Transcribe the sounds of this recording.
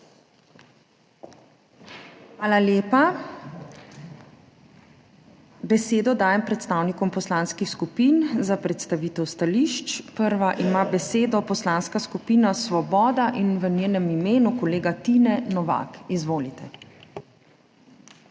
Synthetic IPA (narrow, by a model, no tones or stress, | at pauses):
xʋaːlaljeːpa | bɛseːd̪ɔd̪aːjɛmpɾɛt̪st̪aːwnikɔmpɔslaːnskixskupiːnzapɾɛt̪st̪aʋiːt̪ɛwst̪aliʃt͡ʃpəɾʋaʔimaːbɛseːd̪ɔpɔslaːnskaskupiːnasʋɔbɔːd̪aʔinʋəneːnɛmimeːnukɔleːɡat̪inɛnɔʋa̰ːkizʋoːlit̪ɛ